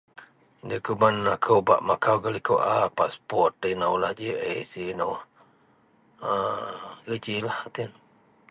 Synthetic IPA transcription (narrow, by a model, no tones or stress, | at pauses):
dəkumanːakʰəwba̰ʔmakawɡalikoʔapaspɔt̚ːənawlahd͡ʒəʔə̰sinawh | əɡət͡ʃilahat̪in